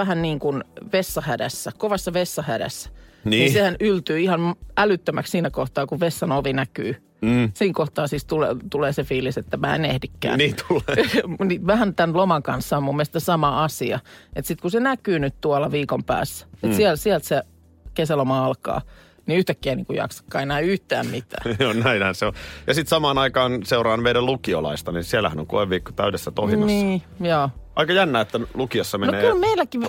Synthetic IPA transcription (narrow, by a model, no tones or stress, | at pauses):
æhænniːŋkunʋesːɑhædæ̰sːækoʋɑsːɑʋesːɑhædæ̰sːæ̥nniːnsehænylt̪yːihɑnælyt̪ːømækssiːnækoht̪ɑːkuʋʋesːɑnoʋinæky̰ː | siːŋkoht̪ɑːsiːst̪ulet̪uleːsefiːliset̪ːæmæ̰ːḛnehdikːæ̰ːnːt̪ulniʋæhænt̪ænlomɑŋkɑnsːɑmumːelst̪sesɑmɑɑsiɑet̪sit̪kusenækyːnyt̪t̪uɑlɑʋiːkompæ̰ːsːæ̥et̪siælsiælt̪se | kesælomɑɑlkɑ̰ː | niyht̪ækːiæniːŋkujɑ̰ksɑ̥kːɑ̰ːenæiyht̪æ̰ːmmit̪æ̰ːonnæinhænseojɑsit̪sɑmɑːnɑikɑːnseurɑːnʋeiɾælukiolɑ̰ist̪ɑninsiælæ̰hæ̰no̰ŋko̰eʋʋiːkːot̪æydesːæt̪ohimɑnsiː | jɑːʔɑikɑjænːæːet̪ːælukiɑsːɑmenoneːylmeilːˑæki